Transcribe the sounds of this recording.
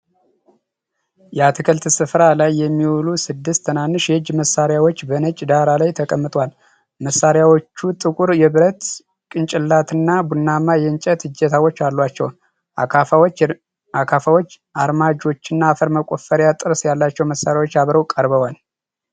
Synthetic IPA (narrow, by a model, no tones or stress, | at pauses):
jɛat̪ʰɨkʰəlt̪ʰsɨfɾalajːɛmːiwulusɨd̪ːɨst̪ʰːənanːɨʃjɛhɨd͡ʒməsːaɾjawo̞t͡ʃːbənət͡ʃʼd̪aɾalajt̪ʰəkʼəmːɨt̪ʼwal | məsːaɾjawot͡ʃːut̪ʼɨkʼuɾjɛβɨɾət̪ | kʼɨnt͡ʃʼɪlːat̪ʰɨnːabunːamajɛnt͡ʃʼət̪ɨd͡ʒːɛt̪ʰawot͡ʃːalːwat͡ʃːɛ̰wn | w | akʰafawot͡ʃː | ʔaɾmad͡ʒo̞t͡ʃːɪnːaːfəɾməkʷʼo̞fəɾjat̪ʼɨɾsjalːat͡ʃːɛwməsːaɾjawo̞t͡ʃːjaβɾəwkʼəɾβəwal